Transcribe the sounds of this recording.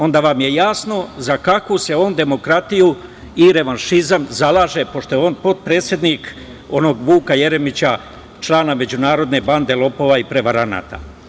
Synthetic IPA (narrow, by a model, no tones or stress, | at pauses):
o̞nd̪aːʋamje̞jaːsno̞zakakuse̞o̞ːnd̪e̞mo̞kɾat̪iju | iɾe̞ʋanʃizamzalˠaːʒe̞po̞ʃt̪o̞jo̞ːnpo̞t̪̚pɾe̞ːt̪sʲjed̪nik | o̞no̞ɡʋuːkaje̞ɾe̞mit͡ɕa | t͡ʃlˠaːname̞d͡ʑunaːɾo̞d̪ne̞band̪e̞lˠo̞po̞ʋaipɾe̞ʋaɾana̰ːt̪a̰